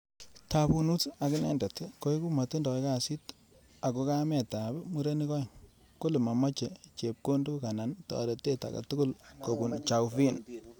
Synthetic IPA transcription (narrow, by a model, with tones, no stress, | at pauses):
ta˨bu˦nu˦ta˨kɪ˦nɛ̰˦˨ndɛ˨tko˦i˦ku˦ma˨tu˦ndɔ˨ke˦ka˦si˦t | a˨ko˦ka˦mɛ˨ta˨bɛ˦mu˦ɾe˦ni˦kɔ˦˨ŋ | ko˦li˨ma˨mɔ˦t͡ʃe˨t͡ʃe˨p̚ko˦ndu˦ka˨na˨ntɔ̰˨a̰˨ɾe˨te˦ta̰˨ka̰˨tu˦kʊ˦lko˨bu˨nt͡ʃa˨wfi˦n